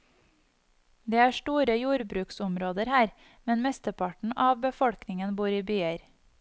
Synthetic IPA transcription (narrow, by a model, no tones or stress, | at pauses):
d̪eːæːʃʈuːɾəjuːɾbɾʉːksʊmɾoːd̪əɾhæːɾ | mɛnmɛst̪əpʰɑʈɳ̩ɑːʋbəfɔɽknɪŋənbuːɾiːbyːəɾ